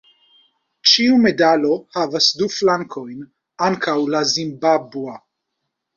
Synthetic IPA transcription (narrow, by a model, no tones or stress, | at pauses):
t͡ʃiumed̪alohavasd̪uflaŋkʰojn | ʔankʰawlazimbabwa